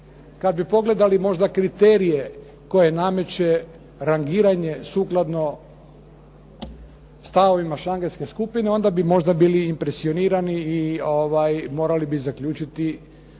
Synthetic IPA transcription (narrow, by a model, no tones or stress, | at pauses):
kad̪̚bipo̞ɡle̞d̪alimo̞ʒd̪akɾit̪eːɾije | ko̞je̞name̞t͡ɕe̞ | ɾaŋɡiːɾaɲe̞suːklˠad̪no̞ | st̪aʋo̞ʋimaʃaŋɡelʲske̞skupine̞o̞nd̪abimo̞ʒd̪abiːliːmpɾesio̞niːɾaniːoʋajmo̞ːɾalibizakʎuːt͡ʃit̪i